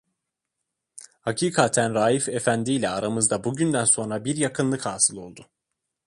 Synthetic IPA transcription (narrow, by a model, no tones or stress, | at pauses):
hacʰiːkʰat̪ʰænɾaːjife̞fænd̪iːlʲɛaɾamɯzd̪abuɟynd̪ænso̞nɾabiɾjakʰɯnlˠɯkhaːsɯlˠo̞lˠd̪ʊ